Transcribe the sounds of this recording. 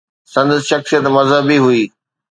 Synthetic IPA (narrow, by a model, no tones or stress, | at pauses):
sɐ̃nd̪sʃɐxksijət̪mɐzɦəbiɦuiː